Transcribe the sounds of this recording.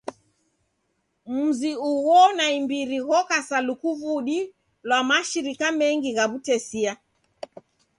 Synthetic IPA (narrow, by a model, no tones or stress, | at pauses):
m̩ziuwɔnaimbiɾihɔkasalukuvuɗi | lwamaʃiɾikamɛŋɡiɣaβutɛsia